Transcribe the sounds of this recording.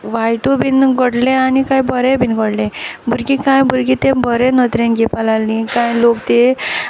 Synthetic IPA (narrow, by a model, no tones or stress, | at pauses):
ʋajʈobʱinɡəɽlẽanikajbɔɾebʱinɡəɽlẽbʱuɾkikãjbʱuɾkit̪ebɔɾenət̪ɾenkipalalnikãjlokt̪e